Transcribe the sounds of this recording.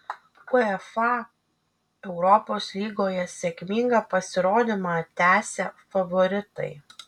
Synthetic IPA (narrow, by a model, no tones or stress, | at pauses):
ʊɛfɑ | ɛʊɾɔpoːslʲiːɡoːjɛsʲɛkmʲiŋɡɑːpɐsʲɪɾoːd̪ʲɪmɑt̪ʲæːsʲɛfɐʋɔɾʲɪt̪ɐ̰ɪ